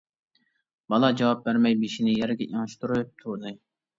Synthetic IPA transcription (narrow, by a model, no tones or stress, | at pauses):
bɑlˠɑd͡ʒɑwɑp̚bæɾmɛjbeʃinɪjɛɾɡʲɛʔiŋɨʃt̪uɾɨp̚t̪ʰud̪ɨ